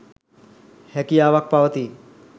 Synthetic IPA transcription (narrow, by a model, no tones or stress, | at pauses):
hɛkiaʋak̚pawət̪i